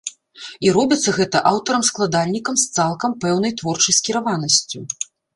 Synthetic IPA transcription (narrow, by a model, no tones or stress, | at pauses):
iɾɔbʲit̪sːɐɣɛt̪ɐʔawt̪ɐɾɐmsklˠad̪alʲnʲikɐmst̪salˠkɐmpɛwnɐjt̪vɔrt͡ʂɐjskʲiɾavanɐsʲt͡sʲu